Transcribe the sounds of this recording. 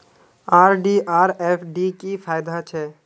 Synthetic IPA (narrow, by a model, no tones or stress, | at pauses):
aːɾɖiʔaːɾepʰɖikipʰaːjd̪at͡ʃʰɛ